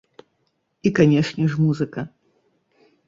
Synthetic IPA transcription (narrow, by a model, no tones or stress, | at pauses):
ikanʲɛʂnʲɛʂmuzɨkɐ